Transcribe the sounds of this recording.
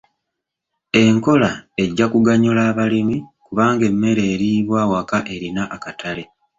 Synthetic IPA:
e̞ŋko̞lae̞ɟːakuɡaɲulaːβalimikuβaːŋɡe̞mːe̞ɾe̞ːɾiːβwaːwakaʔe̞ɾinaʔːkatʰale̞

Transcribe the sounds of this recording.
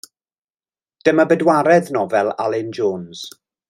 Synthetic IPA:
d̥əmabədwaɾɛðnɔvɛlˠalɪnd͡ʒoːnz̥

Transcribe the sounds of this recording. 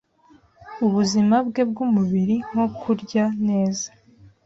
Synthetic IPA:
uβuzimabɡe̞b̚ɡumuβiɾiŋ̥okʰuɾɟane̞ːza

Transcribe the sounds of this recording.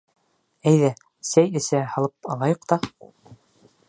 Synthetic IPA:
æjðæ | sæjɘ̆sæhɑlˠɤp̚ɑlˠɑjoqt̪ɑ

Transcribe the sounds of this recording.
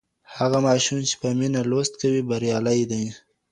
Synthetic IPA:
haɣamɑʃumt͡ʃe̥pəminalost̪̚kawibaɾjɑlajd̪aj

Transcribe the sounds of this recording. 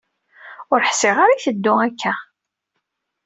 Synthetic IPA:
ʊɾħsɪʁaɾaθəd̪ːʊækːæ

